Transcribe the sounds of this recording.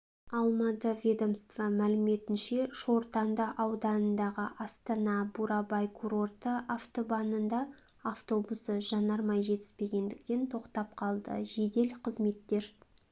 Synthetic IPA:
ɑlˠmɑt̪əvʲed̪o̞mst̪vɑmælɪme̞t̪ɪnʃe̞ʃo̞ɾt̪ɑnd̪əʔɑwd̪ɑnənd̪ɑʁəʔɑst̪ɑnɑbuɾɑbɑjkʰuɾo̞rt̪əʔaft̪o̞bɑnənd̪ɑ | aft̪o̞busəʒɑnɑɾmɑjʒe̞t̪ɪ̥spe̞ɡʲe̞nd̪ɪk̚t̪e̞nt̪ʰo̞qt̪ɑp̚qʰɑlˠd̪ə̰ʒe̞d̪e̞lqʰəzme̞t̪ːe̞ɾ

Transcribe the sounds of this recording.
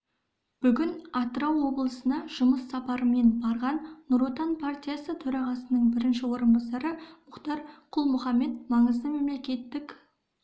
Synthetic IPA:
b̥ʏɡʲɪnɑt̪əɾɑwːo̞blˠəsənɑʒ̥ʊməsːɑpɑɾəme̞nbɑɾʁɑnːʊɾot̪ɑnpʰart̪ʲijasət̪ʰɵɾɑʁɑsənəɴbɪɾɪnʃɪwo̞ɾənbɑsɑɾəmʊqt̪ɑɾqʰʊlˠmʊχɑmːe̞t̪̚mɑɴəzd̪əme̞mle̞kʲe̞t̪ːɪk

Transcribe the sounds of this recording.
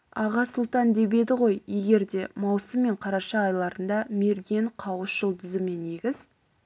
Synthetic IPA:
ɑʁɑsʊlˠt̪ɑnd̪e̞be̞d̪ɪʁo̞jje̞ɡʲe̞ɾd̪e̞mɑwsəmːe̞ɴqʰɑɾɑʃɑːjlˠɑɾənd̪ɑme̞ɾɡʲe̞ɴqʰɑwəsʒəlˠt̪ʰʏzɪme̞ne̞ɡʲɪz̥

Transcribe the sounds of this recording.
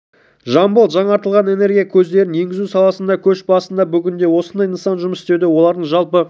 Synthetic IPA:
ʒɑmbəlˠʒɑɴɑɾt̪əlˠʁɑne̞ne̞ɾɡʲijakʲʰɵz̪d̪e̞ɾɪnje̞ŋɡʲɪzusɑlˠɑsənd̪ɑkʲʰɵʃbɑsənd̪ɑbʏɡʲɪnd̪e̞wo̞sənd̪ɑjənsɑnʒʊməsɪst̪e̞d̪ɪwo̞lˠɑɾd̪əɴʒɑlˠpə

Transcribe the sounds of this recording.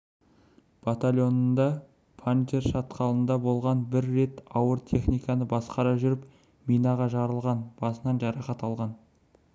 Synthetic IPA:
b̥at̪alʲjo̞nənd̪ɑ | pʰant̪ʲerʃɑt̪qɑlˠənd̪ɑbo̞lˠʁɑnbɪɾːe̞t̪ɑwəɾt̪ʲʰe̞χnijkɑnəbɑsqɑɾɑʒʏɾɪp | mijnɑʁɑʒɑɾəlˠʁɑnb̥ɑsənɑnʒɑɾɑχɑt̪ɑlˠʁɑn

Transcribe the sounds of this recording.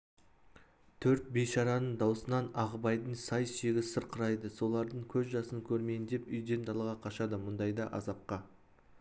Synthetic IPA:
t̪ʰɵɾt̪̚beʃɑɾɑnəɴd̪ɑwsənɑnɑʁəbɑjd̪əɴsɑjʃeɡʲɪsəɾqəɾɑjd̪əso̞lˠɑɾd̪əɴkʲʰɵzʒɑsəŋkʲʰɵɾme̞jnd̪e̞pʏjd̪e̞nd̪ɑlˠəʁɑqʰɑʃɑd̪əmʊnd̪ɑjd̪ɑʔɑ̰zɑp̚qɑ

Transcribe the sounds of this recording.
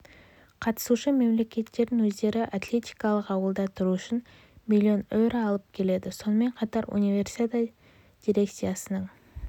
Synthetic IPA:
qʰɑt̪ə̥suʃəme̞mle̞kʲe̞t̪ːe̞ɾd̪ɪŋwɵzd̪e̞ɾɪʔat̪lʲe̞t̪ʲijkɑlˠəqɑwəlˠd̪ɑt̪ʰʊɾuʏʃɪn | mʲilʲːio̞newɾəɑlˠəp̚kʲʰe̞le̞d̪ɪso̞nəme̞ɴqʰɑt̪ɑɾṵnivʲe̞rsi̥t̪at̪ | d̥̪ʲiɾe̞k̚t̪sijasənəɴ

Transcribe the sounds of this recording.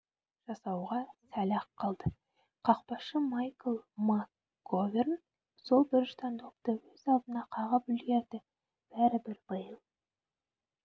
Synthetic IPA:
ʒ̥ɑsɑwʁɑsælɑqqʰːɑlˠd̪ə | qʰɑq̚pɑʃəmɑjkəlˠmakː | overn | so̞lˠbɪɾʒt̪ʰɑnd̪ʰop̚t̪əwɵzɑlˠd̪ənɑqʰɑʁəpʏlɡʲe̞ɾd̪ɪ | b̥æɾɪbɪɾbəjəlˠ

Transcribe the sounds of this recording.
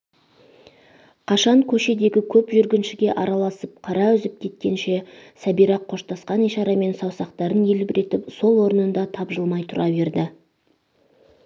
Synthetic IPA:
qʰɑʃɑɴkʲʰɵʃe̞d̪e̞ɡʲɪkʲʰɵpʒʏɾɡʲɪnʃɪɡʲe̞ʔɑɾɑlˠɑsəp̚qʰɑɾɑʏzɪp̚kʲʰe̞t̪̚kʲe̞nʃe̞sæbijɾɑqʰːo̞ʃt̪ɑsqɑnijʃɑɾɑme̞nsɑwsɑqt̪ɑɾəne̞lɪbɪɾʔe̞t̪ɪpso̞lˠwo̞ɾənənd̪ɑt̪ʰɑbʒəlˠmɑjt̪ʰʊɾɑve̞ɾd̪ɪ

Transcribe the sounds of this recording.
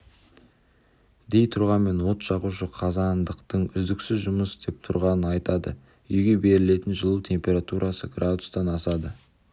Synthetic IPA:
d̪e̞jt̪ʰʊɾʁɑme̞nwo̞t̪ʒɑʁuʃəqʰɑzɑnd̪əqt̪əɴʏzd̪ɪksɪzʒʊməsd̪̥e̞p̚t̪ʰʊɾʁɑnənɑjt̪ɑd̪ə̰ | ʏjɡʲe̞be̞ɾɪle̞t̪ɪnʒəlˠuwt̪ʰe̞mpʲe̞ɾat̪uɾʔɑsəɡrʔad̪ʊ̥st̪ɑnɑsɑd̪ə

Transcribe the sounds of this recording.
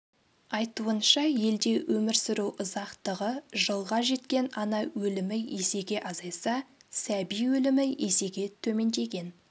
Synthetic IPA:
ɑjt̪uənʃɑje̞ld̪e̞wʔɵmɪɾsɪɾuwʔʊzɑqt̪əʁəʒəlˠʁɑʒe̞t̪kʲe̞nɑnɑwɵlɪmɪje̞se̞ɡʲe̞ʔɑzɑjsɑsæbijwɵlɪmɪese̞ɡʲe̞t̪ʰɵme̞nd̪e̞ɡʲe̞n

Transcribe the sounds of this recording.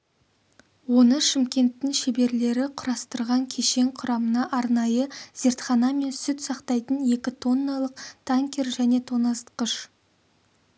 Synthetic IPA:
wo̞nəʃɪmkʲe̞nt̪ːɪŋʃebe̞ɾle̞ɾɪqʰʊɾɑst̪əɾʁɑŋkʲʰe̞ʃe̞ŋqʰʊɾɑmənɑʔɑɾnɑjəz̥e̞ɾt̪χɑnɑme̞nsʏt̪sɑqt̪ɑjt̪ənje̞kʲɪt̪ʰo̞nːɑlˠəqt̪ʰaŋkʲe̞ɾʒæne̞t̪ʰonɑst̪qəʃ

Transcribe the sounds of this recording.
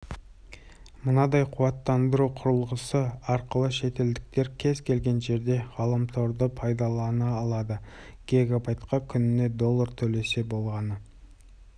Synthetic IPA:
mənɑd̪ɑjqʰuwɑt̪ːɑnd̪əɾuqʰʊɾəlˠʁəsəɑɾqəlˠəʃe̞t̪e̞ld̪ɪk̚t̪e̞ɾkʲʰe̞zkʲʰe̞lɡʲe̞nʒe̞ɾd̪e̞ʁɑlˠəmt̪ʰoɾd̪əpʰɑjd̪ɑlˠɑnɑːlˠɑd̪ə | ɡ̥ʲe̞ɡabɑjt̪qɑkʲʰʏnɪne̞d̪o̞lˠːɑɾt̪ʰɵle̞se̞bo̞lˠʁɑnə

